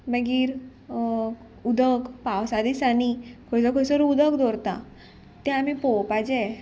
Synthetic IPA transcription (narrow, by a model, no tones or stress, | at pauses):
məɡiːɾ | ud̪ʱəkpawsad̪isanikʰoɽsəkʰosəɾuud̪əkd̪oɾt̪a̰ | t̪ɛ̃amipowpad͡ʑɛ